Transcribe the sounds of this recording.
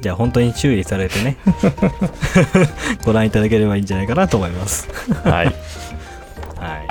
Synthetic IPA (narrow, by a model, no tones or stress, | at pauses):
d͡ʑaːɦõ̞nt̪o̞ɲ̟it͡ɕɨːɾʲisaɾe̞t̪e̞ne̞ | ɡ̥o̞ɾãɰ̃it̪ad̪ak̬e̞ɾe̞baĩːɲd͡ʒd͡ʑanajkanat̪o̞ːmo̞imasɨ̥a̰ | hai